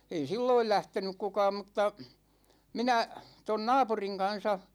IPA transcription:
ei silːoil læhtenyk kukɑːm mŭtːɑ minæ ton nɑːpuriŋ kɑn̞sɑ

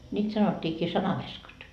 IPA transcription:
nʲiːt sɑnotʲːiːkiː sɑnɑʋeskɑt

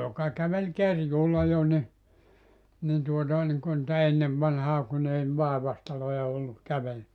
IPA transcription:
jokɑ kæʋel kerjuːlːɑ jo nʲi nin tuotɑˑ niŋku nĭtæ enːeʋ ʋɑnhɑː kun ei ʋɑˑeʋɑstɑlojɑ olːu kæʋel

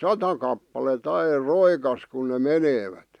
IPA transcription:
sɑtɑ kɑpːɑlet ɑir roikɑs kun ne meneːʋæt

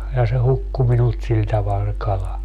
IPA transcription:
jɑ se hukːu minult sil tɑʋɑl se kɑlɑ

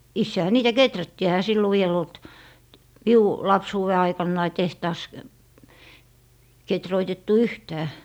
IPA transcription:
isːehæ niːtæ ketrætːiː ehæ silːo ʋiel olt miu lɑpsuːwe ɑikɑnːɑi tehtɑːs ketroitetːu yhtæː

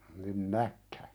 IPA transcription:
nin nækːæ

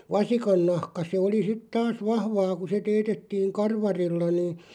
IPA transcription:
ʋɑsikɑnːɑhkɑ se oli sit tɑːs ʋɑhʋɑː ku se teːtetːiːŋ kɑrʋɑrilːɑ niːn̞

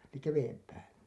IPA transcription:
elikːæ ʋeːm pæːlːæ

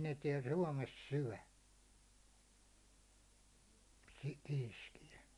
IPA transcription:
ne tiɛl suɒmes syæ̝ ki̥ kiːskijæ

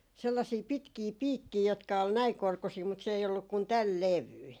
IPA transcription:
selːɑsiː pitkiː piːkːiː jotkɑ ol næiŋ korkusiː mut se ei olːuk kun tæl leʋyi

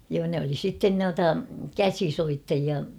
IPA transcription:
joː ne oli sitːen nuɑtɑ kæsisoitːɑjiɑ

